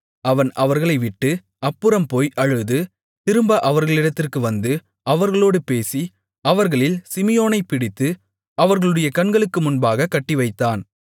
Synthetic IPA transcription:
ɐʋɐnʔɐʋɐɾɣɐɭɐɪʋɪʈːɯ | ɐpːɯɾɐmpoːjʔɐɻɯðɯ | t̪ɪɾɯmbaʔɐʋɐɾɣɐɭɪɽɐt̪ːɪrkɯʋɐnd̪ɯ | ɐʋɐɾɣɐɭoːɽɯpeːsi | ɐʋɐɾɣɐɭɪlsɪmɪjoːnɐɪpɪɽɪt̪ːɯ | ɐʋɐɾɣɐɭɯɽɐjɐkɐnɡɐɭɯkːɯmʊnbaːɣɐkːɐʈːiʋɐɪt̪ːaːn

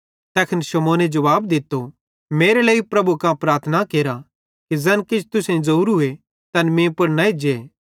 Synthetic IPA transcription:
t̪ɛːkʰɪnʃɐmoːned͡ʒɐʋaːbd̪ɪt̪ːo | meːɾelɐːipɾɐbukãpɾaːɾt̪ʰnakeːɾa | kizɛnkɪd͡ʒʰt̪ʊsẽzɐuːɾʊe | t̪ɐnmẽpɐɽnaed͡ʒeː

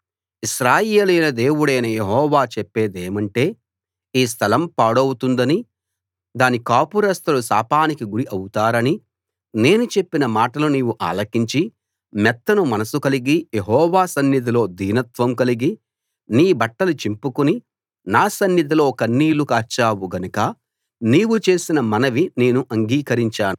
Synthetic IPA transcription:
iʃɾaːjeːlɐjnɐd̪e̞ːwuɽɐjnɐjeɦɔːʋaːt͡ʃɛpːe̞ːd̪e̞ːmɐɳʈe̞ː | iːs̬t̪ʰɐlɐmpaːɽowut̪und̪ɐni | d̪aːnikaːpuɾɐst̪ɐlusa̰ːpaːnikiɡuɽiʔɐwut̪aːɾɐni | ne̞ːnut͡ʃe̞pːinɐmaːʈɐluniːwuʔa̰ːlɐkiɲt͡ʃi | mɛt̪ːɐnumɐnɐsukɐliɡijeɦɔːʋaːsɐnjɐd̪̬ilo̞ːd̪iːnɐt̪ʋɐmkɐliɡi | niːbɐʈːɐlut͡ʃimpukuni | naːsɐnjɐd̪̬ilo̞ːkɐnːiːlukaːɾt͡ʃaːwuɡɐnukɐ | niːwut͡ʃe̞ːsinɐmɐnɐʋine̞ːnuʔɐŋɡiːkɐɾiɲt͡ʃaːnu

